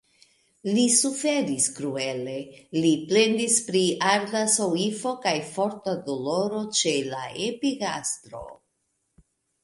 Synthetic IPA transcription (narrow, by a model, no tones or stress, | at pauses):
lisufe̞ɾiskɾue̞le̞liple̞nd̪ispɾiaɾdaso̞ifo̞kajfo̞ɾtado̞lo̞ɾo̞t͡ʃe̞laepiɡastɾo̞̰